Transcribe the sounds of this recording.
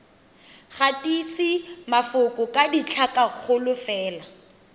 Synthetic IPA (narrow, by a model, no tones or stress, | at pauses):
χatʼisimafʊkʼʊkʼadit͡ɬʰakʼaχʊlʊfɛːla